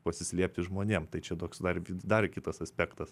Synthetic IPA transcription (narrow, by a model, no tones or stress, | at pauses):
pɐsʲɪsʲlʲiɛpʲt̪ʲɪʒmoːnʲeːmt̪ɐɪt͡ʃʲɛt̪oːksd̪ɐrʋʲd̪ɐrkʲɪt̪ɐsɐsʲpʲæːkt̪ɐs